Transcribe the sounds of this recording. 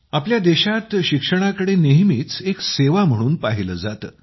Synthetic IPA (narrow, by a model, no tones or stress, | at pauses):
apljad̪eɕat̪ɕikʂəɽ̃akəɽeneɦmiːt͡sekseʋam̤əɽ̃uːnpaɦiləːd͡zat̪ə